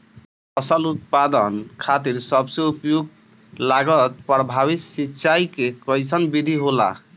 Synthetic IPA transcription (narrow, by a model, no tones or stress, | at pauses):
pʰʌsəlut̪̚pad̪ənkʰat̪iɾsʌbseupjoɡ̚ | laɡət̪̚pɾbʱaβisitːʃajkekɔjsənbid̪ʱiɦola̰